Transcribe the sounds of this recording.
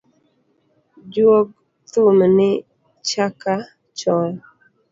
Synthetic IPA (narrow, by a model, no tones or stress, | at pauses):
d͡ʒwok̚ | t̪umnɪ | t͡ʃaka | t͡ʃɔl